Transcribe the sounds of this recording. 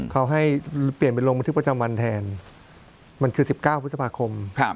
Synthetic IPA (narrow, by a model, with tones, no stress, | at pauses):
kʰa˦˥wɦa˥˩jpli˨˩ənp̬e˧nlo˧ŋa˧t̪ʰɯ˥˩pa˧t͡ɕa˧mwa˧nt̪ʰɛː˧n | ma˧nkʰɯː˧si˨˩p̚kaː˥˩wpʰt̪̚sa˧pʰaː˧kʰo˧m˦˧